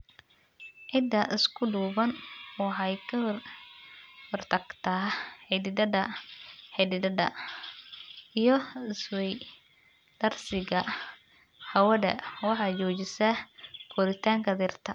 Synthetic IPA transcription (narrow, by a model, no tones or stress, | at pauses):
ʕɪd̪ːɐʔɪskʰʊɖuːβɐnwɑħɑjkʰɐ | hɔrt̪ʰɐɡt̪ʰaħɪd̪ɪd̪ɐðɐħɪd̪ɪd̪ɐdɐ̰ | ijɞɪswɛj | d̪̥ɐrsɪɣɐ | hɐwɐðɐ̰wɑħɑt͡ʃɔːt͡ʃɪsɐkʰɔɾɪt̪ʰaːŋkʰɐd̪irt̪ʰɐ